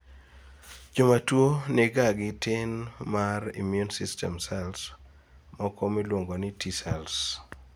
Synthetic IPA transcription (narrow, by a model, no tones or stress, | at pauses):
d͡ʒomatwoneɡaɡɪtɪnmarḭmjunsistɛmsɛls | mɔkɔmilwoŋɡonɪtʰisɛls